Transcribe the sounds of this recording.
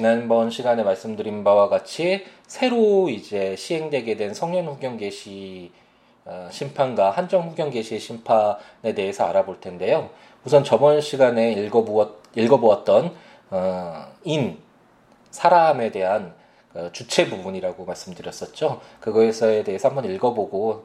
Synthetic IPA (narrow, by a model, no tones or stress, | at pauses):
t͡ɕinanbʌnɕʰiɡane̞maɭs͈ɯmdɯɾinbawaɡat͡ɕʰi | sʰe̞ɾoid͡ʑe̞ɕʰiɦe̞ŋdwe̞ɡe̞dwe̞nsʰʌŋɲʌnɸuɡjʌŋɡe̞ɕʰi | aɕʰimpʰanɡahand͡ʑʌŋɸuɡjʌŋɡe̞ɕʰieɕʰimpʰane̞te̞ɦesʰʌaɾaboɭtʰe̞nde̞jo | musʰʌnt͡ɕʌmʌnɕʰiɡane̞ɡʌʌ | iɭɡʌboʌt̚t͈ʌn | ʌin | sʰaɾame̞de̞ɦan | kɯt͡ɕut͡ɕʰe̞bubuɲiɾaɡomaɭs͈ɯmdɯɾjʌs͈ʌt̚t͡ɕ͈okɯɡʌesʰʌe̞de̞ɦesʰambʌniɭɡʌboɡo